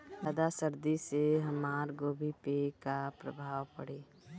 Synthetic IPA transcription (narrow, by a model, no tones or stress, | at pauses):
pəd̪asəɾd̪iseɦəmaːɾɡoːbʱipekapɾə̰bʱaːʋpəɽeː